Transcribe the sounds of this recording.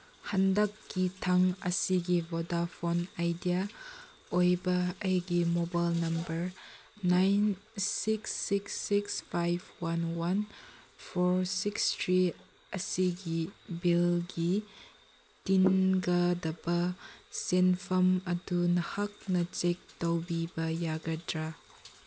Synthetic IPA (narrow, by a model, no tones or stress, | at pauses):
hɐndɐkːitʰɐŋɐ̰siɡibodapʰonajdia | ojbɐɐɡimobajlnɐmbɐɾ | najnsiksːiksːikspʰajbwɐnwɐnpʰoɾsikstʰɾi | ɐsiɡibilɡi | tinɡɐdɐbɐsenpʰɐmɐdunɐhak̚nɐt͡ʃek̚tɐwbibɐjaɡɐdɾa